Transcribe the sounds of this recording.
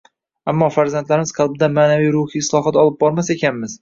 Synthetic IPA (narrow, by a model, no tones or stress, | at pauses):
amːɒfaɾzant̪laɾɪmɪzqʰɑlˠbɪd̪amaːnavijɾʊhiːslˠɒɦat̪ɒlˠɪp̚bɒɾmase̞kʲanmɪz̥